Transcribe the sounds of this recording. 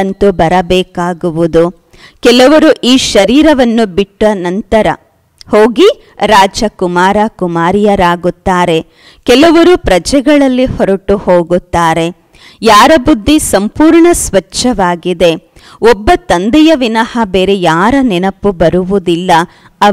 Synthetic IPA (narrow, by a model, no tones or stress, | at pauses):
ɐnt̪ubɐɾɐbɛːkaːɡuʋud̪u | kɛlɐʋɐɾuʔiːʃɐɾiːɾɐʋɐnːubiʈːuʋɐnɐnt̪ɐɾɐ | hoːɡi | ɾaːd͡ʒɐkumaːɾɐkumaːɾijɐɾaːɡut̪ːaːɾe̞ | kɛlɐʋɐɾupɾɐd͡ʒɛɡɐɭɐlːihɔɾɐʈuhoːɡut̪ːaːɾe̞ | jaːɾɐbud̪ʱːisɐmpuːɾɳɐsʋɐt͡ʃːɐʋaːɡid̪e̞ | ɔbːɐt̪ɐnd̪ɛjɐʋinɐhɐbeːɾejaːɾɐnɛnɐpːubɐɾuʋud̪ilːɐ | ɐ